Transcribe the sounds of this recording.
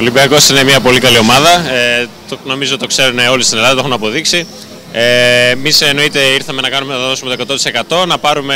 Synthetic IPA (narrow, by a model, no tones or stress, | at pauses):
olibiɐko̞sinemiɐpo̞likɐlio̞mɐðɐet̪ono̞mizot̪t̪kse̞ɾuneo̞list̪inelɐðɐt̪ounɐpo̞ðiksi | emiseno̞it̪e̞iɾθɐme̞nɐkɐnumeɐðo̞sumet̪okɐt̪ot̪i̥se̞kɐt̪o̞nɐpɐɾume̞